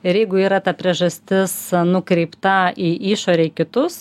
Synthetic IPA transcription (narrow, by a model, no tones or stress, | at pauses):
ɪɾjɛɪɡʊiːɾɐt̪ɐpʲɾʲiɛʒɐsʲt̪ʲɪsnʊkɾʲɛɪpt̪ɐiːʔiːʃoːɾʲɛikʲɪt̪ʊs